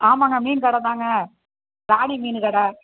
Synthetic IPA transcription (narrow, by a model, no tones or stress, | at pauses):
aːmaːŋɡɐmiːnkɐɽɐt̪aːŋɡɐ | d̪aːɳimiːnɯkɐɽɐ